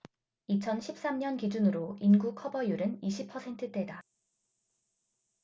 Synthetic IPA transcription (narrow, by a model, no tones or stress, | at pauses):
it͡ɕʰʌnɕʰip̚s͈amɲʌnkid͡ʑunɯɾoinɡukʰʌbʌjuɾɯniɕʰipʰʌsʰe̞ntʰɯt͈e̞da